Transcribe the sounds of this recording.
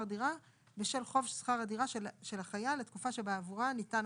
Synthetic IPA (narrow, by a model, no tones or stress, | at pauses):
adiʁa | beʃelχo̞vsχaʁadiʁaʃeʃe̞laχajaletkufaʃe̞beavuʁanitan